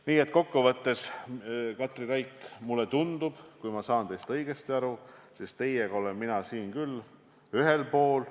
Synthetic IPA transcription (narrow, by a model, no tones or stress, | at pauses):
niːe̞t̪ˑko̞kːuvɤt̪ːe̞s | kɑt̪ːˑriɾɑjkːmulːet̪und̪̥ub̥kujmɑsɑːnt̪e̞jst̪ɤjɡ̥e̞st̪iɑɾusist̪e̞jeɡɑo̞lenminɑsiːnkylː | yɦe̞lpo̞ːl